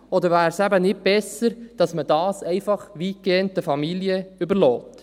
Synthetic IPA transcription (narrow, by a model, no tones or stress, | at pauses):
ɔd̪əɾvæːɾsæbənɪt̚b̥ɛsəɾd̥ɑsmədɑːsɛɪfɑχʋiːkeːənt̚ːəfɑmiljəʏbəɾlɔːt̪